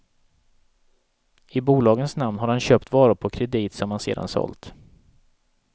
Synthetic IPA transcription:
ɪbuːlɑːɡənsnamnɦaɾhanɕœːpt̪vɑːɾʊpʰɔkʰɾɛd̪iːt̪sɔmhansḛːd̪a̰nsɔ̰lt̪

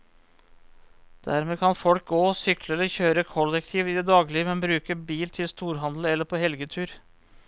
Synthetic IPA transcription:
d̪̥æɾmeːkʰɑnfɔlk̚ɡoːsʏkləɛləçøːɾəkʰɔlːɛkt̪ʰiːʋɪd̪ɛd̪ɑːɡlɪəmɛnbɾʉːkəbiːlt̪ʰɪlst̪uːɾɦɑnd̪l̩ɛlːəɾpʰoːhɛlɡət̪ʰʉːɾ

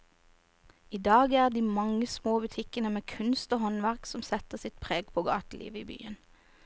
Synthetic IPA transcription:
iːd̪ɑːɡæːʁd̪iːmɑŋəsmoːbʉt̪ʰɪkənəmeːkʰʉnst̪oːhɔnʋæʁksɔmsɛt̪əsɪt̪̚pʰʁeːɡpʰoːɡɑ̰ːt̪lḭːʋəiːby̰ːən

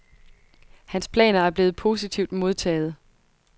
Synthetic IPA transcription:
hænspʰlɛ̰ːnɐæɐb̥le̝ːð̩ˠpʰo̝ːsit͡sʰiʊ̰d̥mo̝ð̞ˠt͡sʰɛ̰ːð̞̩ˠ

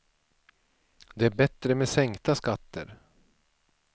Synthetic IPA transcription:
d̪ɛæɾbɛt̪ɾəmeːsɛŋkt̪askat̪ːə̰ɾ

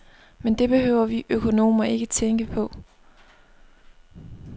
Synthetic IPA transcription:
mend̥e̝b̥e̝ɦø̰ʊ̰ɐʋiʔøkʰo̝no̝̰ːmɐe̝ɡ̥ət͡sʰeŋɡ̥əpʰɒ̽

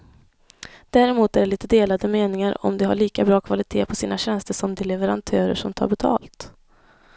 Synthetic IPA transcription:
d̪̥æɾɛmuːt̪æɖɛliːt̪əd̪eːlad̪əmeːnɪŋaɾɔ̰md̪ɛɦaɭiːkabɾɑːkʰvalɪt̪ʰeːpʰɔsiːnaɕɛnst̪əʂɔmd̪ɛlɛvəɾant̪ʰœːɾə̰ʂɔmt̪ʰɑ̰ːɾbɛt̪ʰɑ̰ːlt̪

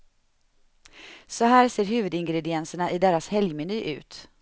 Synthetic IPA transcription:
sɔɦæːɾseːɾɦʉ̟ːvɵd̪ɪŋɡɾɛd̪ɪɛnsəɳaʔɪd̪eːɾashɛljmɛnyːʔʉ̟̰ːt̪

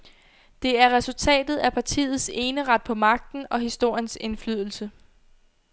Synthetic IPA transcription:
d̥e̝æɐʁɛsult͡sʰɛ̰ːd̥ð̩ˠæpʰɑ̈t͡sʰḭːð̩ˠse̝ːnəʁɑ̈d̥̚pʰɒ̽mɑ̈ɡ̥̚d̥n̩ɒ̽ɦisd̥o̝ɐ̰jənse̝nflyð̞ˠl̩sə

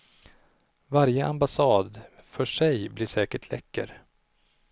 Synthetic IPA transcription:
vaɾjəʔambasɑːd̪fœʂɛjblɪʂɛːkəʈʰlɛ̰kːə̰ɾ

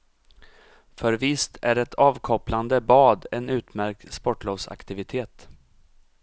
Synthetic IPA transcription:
fœɾvɪst̪ʰæɾɛt̪ʰɑːvkʰɔpland̪əbɑːd̪ɛnʉ̟ːt̪mæɾk̚t̪spɔʈloːvsa̰kt̪ɪvɪt̪ʰeːt̪

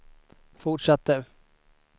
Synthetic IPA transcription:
fʊʈʂat̪ːə

